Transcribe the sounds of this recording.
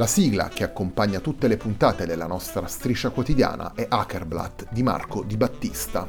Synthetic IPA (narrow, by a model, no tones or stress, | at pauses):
lasiːɡla̰k̟eakːompaɲːat̪ut̪ːelepunt̪aːt̪ed̪elːanɔst̪ɾast̪ɾit͡ʃːakwot̪id̪ja̰ːna̰ʔɛʔakerbla̰t̪d̪ima̰rkod̪ibat̪ːist̪a